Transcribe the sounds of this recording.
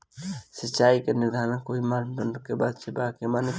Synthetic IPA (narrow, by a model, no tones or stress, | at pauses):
sətːt͡ʃaːikenɪɾd̪ʱaːɾənkoːimaːɾmd̪ənɖkebaːd̪t͡ʃebakemaːni